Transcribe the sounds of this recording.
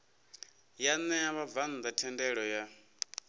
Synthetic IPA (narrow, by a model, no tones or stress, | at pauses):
janɛaβavand̪atʰɛndɛɺɔja